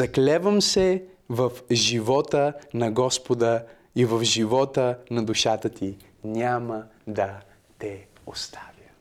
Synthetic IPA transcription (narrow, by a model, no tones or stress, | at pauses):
ɐklɛvəmsɛvɐfʒivɔt̪ənɐɡɔspod̪ə | ivɐvʒivɔt̪ənɐd̪uʃat̪ət̪ʰi | nʲamə | d̪ɐ | t̪ɛ | ost̪ʰavʲjə